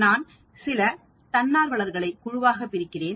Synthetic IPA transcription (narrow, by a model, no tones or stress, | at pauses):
naːn | sɪlɐ | t̪ɐnːaːɾʋɐɭɐɾɣɐɭɐɪkːʊɻʊʋaːɣɐpːɪɾɪkːɪreːn